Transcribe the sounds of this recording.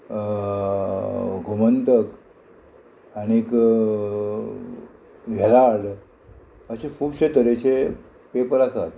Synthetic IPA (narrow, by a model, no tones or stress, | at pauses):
ɡʱumənt̪ək | añik | ɡʱɛlaɽ | əɕekʰuːbɕet̪əɾet͡ɕe | pepəɾasat̪